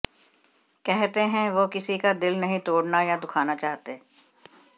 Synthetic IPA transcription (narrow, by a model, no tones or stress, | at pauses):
kɛɦt̪eɦɛ̃ʋoːkɪsikad̪ɪlnɐɦĩt̪oːɽnajad̪ʊkʰaːnat͡ʃaːɦt̪eː